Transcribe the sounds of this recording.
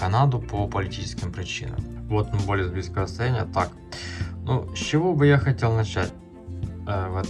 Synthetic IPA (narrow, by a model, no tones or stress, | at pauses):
kɐnad̪ʊpopəlʲɪtʲit͡ɕɪ̥skʲɪmpɾʲɪt͡ɕḭnə̰mvot̪ːmbolʲɪzbʲiskəʋəst̪ɐjænʲɪjət̪ak | nusʲt͡ɕɪvobɨjaxɐtʲe̞lˠnɐt͡ɕæt̚ʲ | vɛt̪